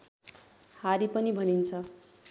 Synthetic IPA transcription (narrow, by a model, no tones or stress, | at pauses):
haɾipʌnibʱʌnint͡sʰʌ